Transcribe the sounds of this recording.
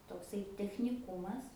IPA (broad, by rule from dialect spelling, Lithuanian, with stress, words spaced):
toːkˈsɐɪ tʲɛxʲnʲɪˈkʊmɐs